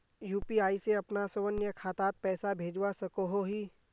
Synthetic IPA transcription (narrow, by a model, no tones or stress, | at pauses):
juːpiaːiseɐpnasəʋənjəkʰaːt̪aːt̪̚pɛːsabʱeːd͡ʒwasɐkoɦoɦiː